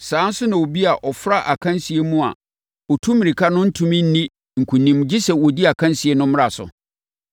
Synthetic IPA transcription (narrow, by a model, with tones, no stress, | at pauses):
sãː˨˦n̩˦sʊ˦nã˨wo˨bi˦a˨ʔɔ˨fɾa˦ʔa˨kʰã˦nsi˨e˦mũ˦a̰˨ | ɔ˨tʰũ˦mĩ˨ɾi˨kʰa˦nʊ̃˦n̩˦tʰũ˦mĩ˦n̩˦nĩ˦ | ŋ̩˨kʰũ˨nĩ˨m˨d͡ʑi˦sɛ˨wɔ˨di˦a˨kʰã˦nsi˨e˦nʊ̃˦m̃˦ɾa˨sʊ̰˨